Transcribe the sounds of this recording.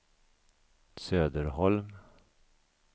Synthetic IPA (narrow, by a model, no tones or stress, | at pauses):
søːd̪əɾhɔlm